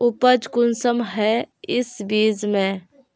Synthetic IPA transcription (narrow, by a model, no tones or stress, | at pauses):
ʊpəd͡ʒkʊnsəmɦɛɪsbiːzmẽ